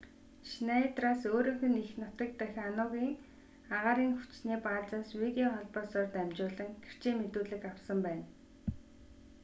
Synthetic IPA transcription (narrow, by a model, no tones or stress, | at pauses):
ʃnait̪raːsoːɾĭːŋxɵ̆nixnɔt̪ə̆k̚t̪œxʲanʊːɣiːŋ | aʁaːɾiːŋxu̥t͡ɕniːpaːɮt͡saːswiɣiɔχɔɮpɔːsɔːrt̪æmt͡ɕʊːɮə̆ŋɡer̥t͡ɕʰeːmet̪uːɮɘ̆kawsə̆mpæːn